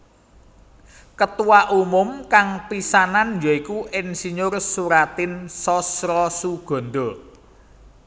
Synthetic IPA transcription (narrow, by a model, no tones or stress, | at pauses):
kət̪uwaʔumʊmkaŋpisananjɔikuʔɪnsiɲʊrsuɾat̪ɪnsɔsɾɔsuɡ̥ɔ̤nɖ̪ɔ